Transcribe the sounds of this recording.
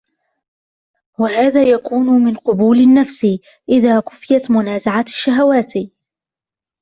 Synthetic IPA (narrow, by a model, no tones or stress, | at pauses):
wahaːðaːjakuːnʊmɪnqʊbuːlanːafsi | ʔɪðaːkʊfːɪjat̪mʊnaːzaʕaʃːaɦawaːt̪